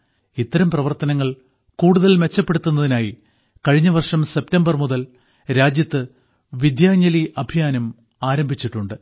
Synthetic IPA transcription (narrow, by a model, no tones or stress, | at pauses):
it̪ːɐɾɐmprɐʋɐrt̪ɐnɐŋːɐɭ | kuːɽuðɐlme̞t͡ɕːɐpːe̞ɽut̪ːunːɐðinaːji | kɐɻiɲːɐʋɐrʂɐmse̞p̚tɐmbɐrmuðɐl | ɾaːd͡ʑjɐt̪ːɨ | ʋid̪jaːɲːɐliʔɐbʱijaːnɐm | aːɾɐmbʱit͡ɕːiʈːuɳɖɨ